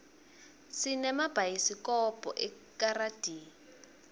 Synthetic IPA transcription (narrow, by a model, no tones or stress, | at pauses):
sinɛmab̥ʱajisikɔpʼɔ̰ʔɛ | karad̥ʱiː